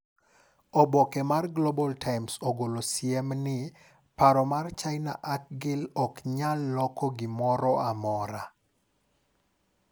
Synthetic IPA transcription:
ɔbɔkemarɡlobɔltʰaɪmsoɡolosjɛmnɪ | paɾɔmart͡ʃaɪna̰ʔak̚ɡɪlɔkɲalːɔkɔɡɪmɔɾɔamɔɾa

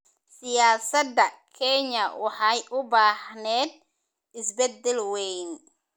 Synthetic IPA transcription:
sɪjaːsɐd̪ɐkʰɛɲɐwɑħɑjʔʊbaːħnɛːd̪̚ | ɪsbɛd̪ːɛlwɛjn

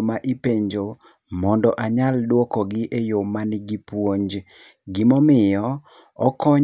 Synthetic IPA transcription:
maʔipeɲd͡ʒo | mɔndɔʔaɲaldwɔkɔɡɪʔejomanɪɡipwoɲd͡ʒ | ɡɪmɔmɪjɔ | ɔkɔ

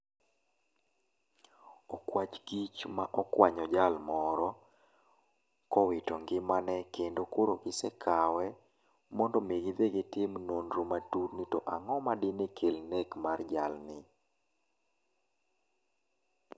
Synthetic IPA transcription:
ɔkwat͡ʃɡit͡ʃmaʔɔkwaɲɔd͡ʒalmɔɾɔ | kɔwɪtɔŋɡɪmanɛkendokoɾokɪsɛkʰawɛ | mɔndɔmeɡɪd̪eɡɪtɪmnondɾumatutnitɔʔaŋɔmadɪnekʰelnekmard͡ʒalnɪ

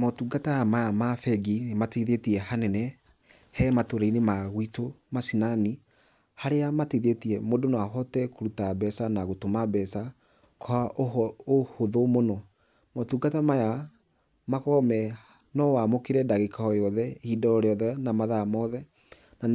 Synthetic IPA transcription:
mɔtuɡataamajamafɛɡinmateðetiɛhanɛnɛ | hɛmatoɾainemaɣwitomasinani | haɾeamateðetiɛmodonawaɦɔtɛkoɾutabɛsanaɣotomabɛsa | kʰɔaʔohoðomonɔ | mɔtuɡatamaja | makɔmɛ | nɔwamokeɾɛdaɣekaɔjɔðɛhidɔɔɾeɔðɛnamaðamɔðɛ | na

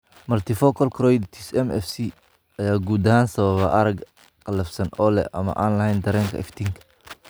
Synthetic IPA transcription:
mɐrt̪ʰɪfɔkʰɔlkʰɾɔjd̪t̪ʰisɛmɛ̰fsi | ɐjaːɡuːd̪ɐhaːnsɐβɐβɐʔɐɾɐɡ | qɐlɐfsɐnɔːlɛ̰ʔɐ̰mɐ̰ʔaːnlɐhɛjnd̪ɐɾɛːŋkʰɐ̰ɪ̰ft̪ʰiːŋkʰɐ̥

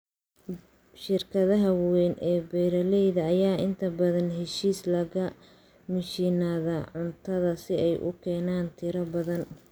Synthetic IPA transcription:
ʃɪrkʰɐðɐɦɐwwɛnʔɛːbɛːɾɐlɛjðɐːjaːʔɪnt̪ʰɐbɐðɐnɦɛʃiːslɐɣɐ | mɪʃiːnaːðɐʕʊnt̪ʰɐðɐsɪɛjʔʊ̰kʰɛːnaːnt̪ʰɪɾɐbɐðɐn

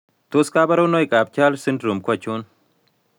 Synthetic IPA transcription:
t̪oskaːbɐɾownojkʼaːb̚t͡ʃaːlsɨndɾumkʰʷɐt͡ʃun

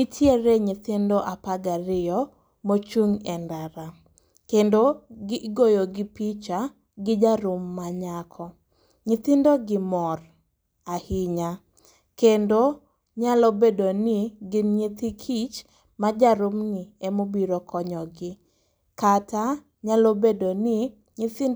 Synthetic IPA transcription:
mitʰjeɾeɲɪt̪ɪndoʔapaɡaɾɪjɔ | mot͡ʃuŋɛndaɾa | kendoɡɪɡojoɡɪpit͡ʃa | ɡɪd͡ʒaɾʊmːaɲakʰɔ | ɲɪt̪ɪndoɡɪmɔr | ahiɪɲa | kendo | ɲalobedonɪɡɪnɲit̪ikʰit͡ʃ | mad͡ʒaɾʊmnɪɛmobiɾɔkʰɔɲɔɡɪ | kata | ɲalobedonɪ | ɲit̪i

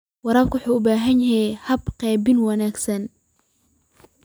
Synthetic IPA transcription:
wɑɾaːbkʰwʊħuːʊbaːɦɐnjɪɦɛhɐbqɛːbɪnwɑnaːɡsɐn

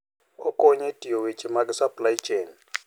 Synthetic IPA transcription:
ɔkʼɔɲetʼiɔwet͡ʃʼimakʼɛsapʼlaji̥t͡ʃʼeːni

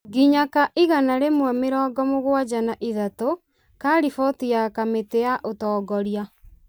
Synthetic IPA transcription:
ɡiɲakaʔiɣanaɾemwɛmeɾɔːɡɔmoɣwad͡ʒanaʔiðato | kaːɾifɔtijakametejaʔotɔːɡɔɾia

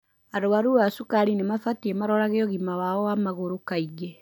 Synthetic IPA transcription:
aɾoaɾuasukaɾinemafatiemaɾɔɾaɣeɔɣimawaɔwamaɣoɾokaiɣe

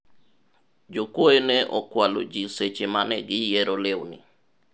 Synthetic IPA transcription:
d͡ʒokwoenɛʔɔ̰kwalo̰d͡ʒiset͡ʃemanɛɡɪjɛɾolewnɪ̰

